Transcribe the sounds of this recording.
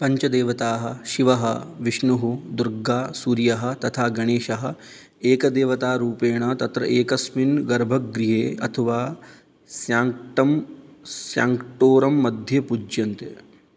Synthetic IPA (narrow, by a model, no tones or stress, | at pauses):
pɐɲt͡ʃɐd̪eːʋɐt̪aːɦɐ̆ʃiʋɐɦɐʋiʃɳuɦud̪uɾɡaːsuːɾjɐɦɐ̆t̪ɐt̪ʰaːɡɐɽ̃eːʃɐɦɐ̆ | eːkɐd̪eːʋɐt̪aːɾuːpeːɳ̃ɐt̪ɐt̪ɾɐ̰ʔeːkɐsminɡɐɾbʱɐkɡɾiɦeːɐ̰t̪ʰɐʋaː | sjaːŋʈɐmsjaːŋkʈoːɾɐmːɐd̪ʱjɐpud͡ʒjɐnt̪e